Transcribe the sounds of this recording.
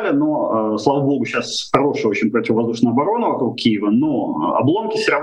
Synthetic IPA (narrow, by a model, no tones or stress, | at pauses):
lʲɪno̞əslˠavəbo̞ɡʊɕasxɐɾo̞ʂɨjəo̞t͡ɕɪnʲpɾətʲɪvəvɐzd̪uʂnəjɐbɐɾo̞nəvɐkɾuk̚kʲːijɪvəno̰ɐ̰blˠo̞mkʲɪsʲɪɾɐ